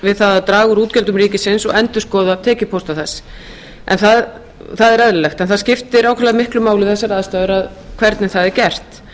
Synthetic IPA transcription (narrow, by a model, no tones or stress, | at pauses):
vɪðθaðat̪ɾaːɣʏɾuːt̪cɛlt̪ʏmriːcɪsɪnsɔ̰ɣɛnt̪ʏ̥skɔːðat̪ʰɛːcɪpʰowst̪aθɛsː | ʔɛ̰nθað | θaðɛɾɛðlʏlɛxt̪ɛnθaðscɪft̪ɪɾaːwkʰɛɾlaðmɪhklʏmaːwlɪθɛsaɾaːðast̪aːðʏɾað | kʰvɛɾt̪nɪθaðɛɾcɛr̥t̪